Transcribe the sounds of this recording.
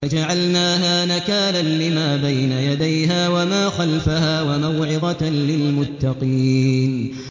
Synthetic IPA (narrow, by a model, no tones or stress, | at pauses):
ad͡ʒaʕalnaːɦaːnakaːlanlɪmaːbajnajad̪ajɦaːwamaːxalfahaːwamawʕɪd̪ˤɑlɪlmʊt̪ːɑqiːn